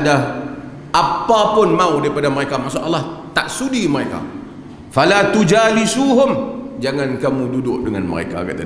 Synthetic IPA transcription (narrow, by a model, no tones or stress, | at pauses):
da | ʔapapʊnmãudaɾipadaməɾekamasʊʔalaht̪aʔsudiməɾeka̰ | falat̪ud͡ʒalisuɦʊmd͡ʒaŋãnkamũdudʊʔdəŋanmə̰ɾḛka̰ka̰ʔt̪a